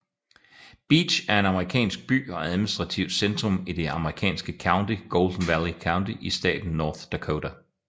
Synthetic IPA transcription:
b̥ḭːd̥ɕæɐe̝nɑ̈məʁikʰɛ̰ːnsɡ̥̚b̥y̰ːɒ̽æðˠminisd̥ʁɑ̈t͡sʰiʊd̥send̥ʁɔ̽mid̥e̝ɑ̈məʁikʰɛ̰ːnsɡ̥əkʰɑ̈ʊnd̥iɡ̥oːld̥n̩ʋælikʰɑ̈ʊnd̥iʔisd̥ɛ̰ːd̥n̩ːɒːθd̥ækʰodæ

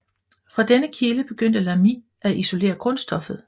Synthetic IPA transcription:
fʁɑ̈d̥enəkʰiləb̥e̝ɡ̥øn̰d̥əlæmiː | æiso̝le̝̰ːɐkʰɔ̽nsd̥ɒ̽fð̞̩ˠ

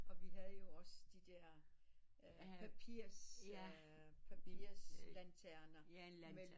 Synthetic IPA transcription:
ɒ̽ʋiɦæð̞ˠəjo̝ɒ̽sd̥id̥ɛɐ̰ | pʰæpʰiɐ̰s | pʰæpʰiɐslænt͡sʰæɐnɐme

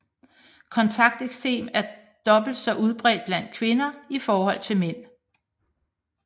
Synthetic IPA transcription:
kʰɒ̽nt͡sʰɑ̈ɡ̥̚d̥eɡ̥se̝̰ːmæɐ | d̥ɒ̽b̥l̩d̥sɒ̽ʔuðˠb̥ʁɛ̰ːd̥̚b̥læn̰d̥̚kʰʋe̝nɐifɒːhɒ̽l̰t͡sʰe̝lmen̰

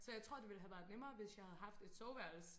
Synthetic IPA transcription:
sɒjɑ̈ɪt͡sʰʁo̝ɐ̰d̥e̝ʋiləɦæʋæɐðˠnemɐːʋe̝sjɑ̈ɪhæð̞̩ˠɦɑ̈fd̥e̝d̥sɒʊʋæɐ̰l̩s

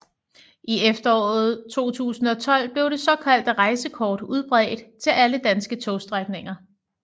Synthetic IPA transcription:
ʔiefd̥ɐɒ̰ːð̞̩ˠt͡sʰo̝̰ːt͡sʰṵːsn̩ɒ̽t͡sʰɒ̽l̰b̥le̝ʊɾ̥e̝sɒ̽kʰæl̰d̥ʁɑ̈ɪsəkʰɒːd̥uð̞ˠb̥ʁɛ̰ːd̥t͡sʰe̝lʔæləd̥ænsɡ̥ət͡sʰosd̥ʁaɡ̥ne̝ŋɐ

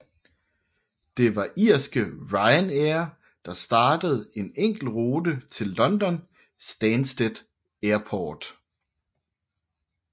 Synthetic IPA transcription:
d̥e̝ʋɑ̈ʔiɐ̰sɡ̥əʁɑ̈ɪneɐ | d̥ɑ̈sd̥ɑ̈ːd̥əð̞̩ˠe̝neŋ̰ɡ̥l̩ʁoːdət͡sʰe̝lːɒ̽nd̥ɒ̽n | sd̥ænsd̥ed̥ | eɐpʰɒːd̥

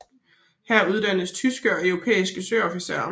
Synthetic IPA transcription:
hæɐ̰uð̞ˠd̥æn̰əst͡sʰysɡ̥əɒ̽œʊʁo̝pʰḛːisɡ̥əsøːɒ̽fiseɐ

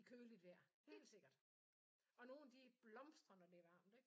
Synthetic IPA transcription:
ikʰøːlid̥ʋæɐ̰he̝̰ːld̥se̝ɡ̥ɐd̥ | ɒ̽no̝ːnd̥ib̥lɒ̽msd̥ʁɐnɒd̥e̝ʋɑ̰̈ːmd̥eɡ̥

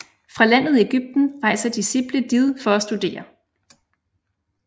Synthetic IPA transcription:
fʁɑ̈læn̰ð̞̩ˠie̝ɡ̥yb̥̚d̥n̩ʁɑ̈ɪ̰sɐd̥isib̥ləd̥ið̞ˠfɒ̽ːsd̥ud̥e̝̰ːɐ

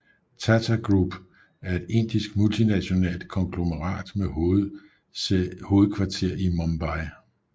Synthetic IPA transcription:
t͡sʰæt͡sʰæɡ̥ʁub̥ | æɐe̝d̥e̝n̰d̥isɡ̥mult͡sʰinæɕo̝nɛ̰ːld̥kʰɒ̽ŋɡ̥lo̝məʁɑ̰̈ːd̥me | ho̝ːð̩ˠkʰʋɑ̈t͡sʰe̝ɐ̰imɒmb̥ɑ̈ɪ

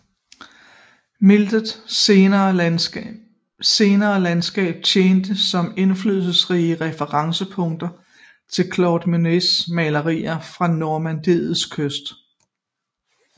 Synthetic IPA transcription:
meld̥ð̩ˠɐː | se̝ːnɐːlænsɡ̥ɛ̰ːb̥̚t͡sʰeːnd̥əsɒ̽me̝nflyːðˠsl̩sʁiːəʁɛfəʁɑ̈ŋsəpʰɔ̽ŋd̥ɐ | t͡sʰe̝lkʰlɒʊd̥mynesmɛlɐʁḭːɐfʁɑ̈noɐmænd̥e̝ðˠð̩ˠskʰøsd̥

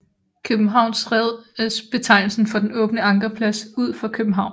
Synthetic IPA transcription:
kʰøb̥m̩ɦɑ̈ʊ̰nsʁɛð̰ˠsb̥e̝t͡sʰɑ̈ɪ̰l̩sn̩fɒ̽d̥enɔ̽ːb̥nəɑ̈ŋɡ̥ɐpʰlæsuð̞̰ˠfɑ̈kʰøb̥m̩ɦɑ̈ʊ̰n

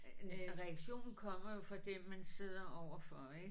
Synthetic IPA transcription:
ʁɛaɡ̥ɕo̝̰ːnn̩kʰɒ̽m̰ɐjo̝fʁɑ̈d̥emænse̝ð̞̰ˠɐʔɒʊ̰ɐfɒ̽eɡ̥

